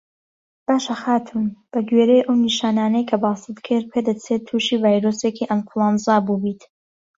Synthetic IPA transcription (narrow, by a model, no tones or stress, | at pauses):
b̥aːʃɐxaːt̪ʰunb̥ɐɡɥeːɾejʔɐwniʃaːnaːnejkʰɐbɑːsɨd̪kʰɨɾpʰed̪ɐt͡sʰet̪ʰuːʃiːvaːjɾoseːkiʔɐnkʰulˠɑnzɑbuːbiːt̪